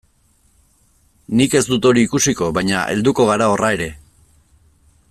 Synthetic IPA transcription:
nike̞zd̪ut̪o̞ɾiːkusiko̞βajɲaʔe̞ld̪uko̞ɣ̞aɾao̞rae̞ɾe̞

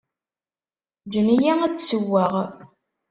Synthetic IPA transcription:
d͡ʒənijææt͡sːsəwːæʁ

